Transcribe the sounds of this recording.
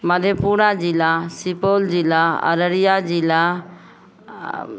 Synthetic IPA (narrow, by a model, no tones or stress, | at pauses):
məd̪ʱjepunad͡ʒilasipold͡ʒilːaə̰ɾəɾijad͡ʒila